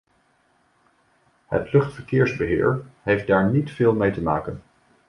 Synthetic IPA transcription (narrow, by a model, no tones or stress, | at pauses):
ɦə̰tlɵχtfəɹkɪːɹzbəɦɪ̰ːɹɦejfd̚daːɹnitfɪːlˠmejtəmaːkən